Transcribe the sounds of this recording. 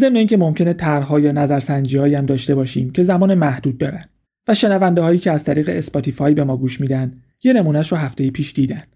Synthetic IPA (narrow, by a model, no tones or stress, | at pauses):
ze̞mneiːŋcʰe̞mo̞mcʰe̞ne̞t̪ʰæɾɦɒːjɒːnæzæɾsænd͡ʒiːhɒːjæmd̪ɒːʃt̪e̞bɒːʃiːmcʰe̞zæmɒːnemæhd̪uːd̪̚ːɒːɾæn | væʃe̞nævænd̪eɦɒːjiːcʰeæzt̪ʰæɾiːɣe̞espɒt̪ʰifɒːjbe̞mɒːɡuːʃmiːd̪ænd̪ | je̞ne̞muːnæʃɾoɦæft̪e̞jipʰiːʃd̪iːd̪ænd̥̪